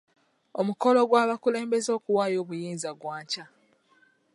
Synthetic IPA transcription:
o̞muko̞lo̞ɡwaːβakule̞ːmbe̞zo̞ːkuwaːjo̞ːβujiːnzaɡwaːɲca

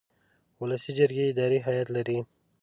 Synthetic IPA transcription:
wʊləsid͡ʒəɾɡeɪd̪ɑɾeɦajat̪laɾi

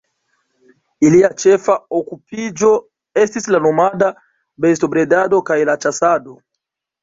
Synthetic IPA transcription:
iliat͡ʃɛfaɔkupid͡ʒɔ | ɛstislanɔmada | bɛstɔbɾɛdadɔkailat͡ʃasadɔ

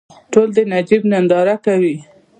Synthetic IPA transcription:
ʈold̪ənad͡ʒibnand̪ɑɾakawi

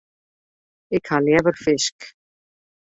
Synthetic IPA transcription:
ɪkʰaljɛvœɾ̥fɪsk

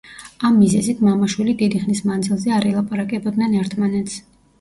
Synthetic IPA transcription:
amːizɛzit̪ʰmamaʃwilid̪id̪iχnismand̪zilˠzɛaɾɛlˠapʼaɾakʼɛbɔd̪nɛnɛɾt̪ʰmanɛt̪s

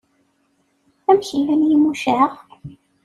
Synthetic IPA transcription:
æmçəlːənjimːuʃæʁ

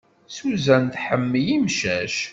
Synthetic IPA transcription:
suzænt̪ħəmːijimʃæʃ

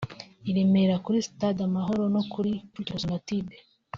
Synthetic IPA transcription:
iɾe̞me̞ɾakuɾisi̥tadamaɦo̞ɾono̞kuɾipɾutɾosomatibe

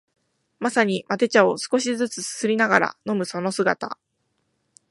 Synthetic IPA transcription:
masaɲ̟imat̪e̞t͡ɕao̞sɨ̥ko̞ɕizɨt͡sɨsɨ̥sɨɾʲinaɡaɾa̰no̞mɯ̟so̞no̞sɨɡat̪a̰

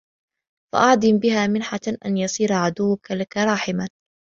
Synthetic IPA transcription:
fa̰ʔɑʕd̪ˤɨmbɪɦaːmɪnħaʔa̰njɑsˤiːɾaʕad̪ʊwːʊkalakaɾˤɑːħɪma

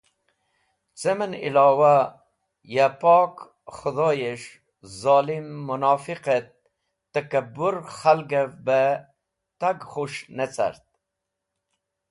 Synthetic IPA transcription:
t͡semənḭlɑːwa | japɑk | χʊd̪oːjeʂ | zɑːlimːʊnɑːfiqet̪̚ː | akabuɾχalɡevbe | t̪aɡχuʂnet͡sa̰ɾt̪̚

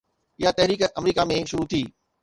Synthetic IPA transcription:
ɪjat̪ɐɦɾiːkɐmɾiːkamẽʃʊɾut̪ʰiː

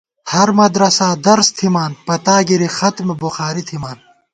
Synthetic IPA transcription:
hɐɾmɐd̪ɾɐsaːd̪ɐɾst̪ʰimaːnpɐt̪aːɡiɾixɐt̪mebuxaːɾit̪ʰimaːn

